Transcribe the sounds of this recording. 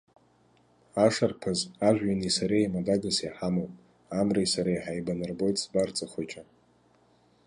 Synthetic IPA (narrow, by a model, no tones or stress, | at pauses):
aʂarpʰazaʒʷᶣːanisaɾejmadaɡaseħamowpʼ | amrajsaɾajħajbanɨrbo̞jtʼsbart͡sʼaχʷat͡ʃʼa